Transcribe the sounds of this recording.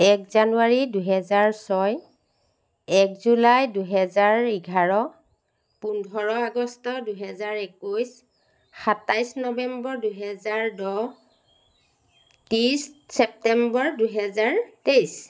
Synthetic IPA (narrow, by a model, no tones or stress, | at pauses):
ɛkzanuaɹiduɦɛzaɹsɔj | ɛkzulajduɦɛzaɹiɡʱaɹɔ | pundʱɔɹɔaɡɔstɔduɦɛzaɹekujs | xatajsnɔbɛmbɔɹduɦɛzaɹdɔ | tissɛp̚tɛmbɔɹduɦɛzaɹtejs